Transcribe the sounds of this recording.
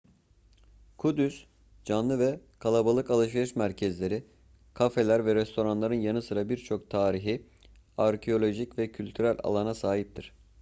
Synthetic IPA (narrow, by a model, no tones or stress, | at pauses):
kʰud̪ys | d͡ʒanlˠɯvɛkʰalˠabalˠɯkalˠɯʃ̬veɾɯʃmæɾcʰɛzlʲe̞ɾi | kʰafe̞lʲæɾvɛɾɛst̪ʰo̞ɾanlˠaɾɯnjanɯsɯɾabiɾt͡ʃʰo̞kt̪ʰaːɾiɦi | aɾcʰeo̞lʲo̞ʒicvɛcʰylʲt̪ʰyɾælʲa̰lˠanasaːɦip̚t̪ʰiɾ̥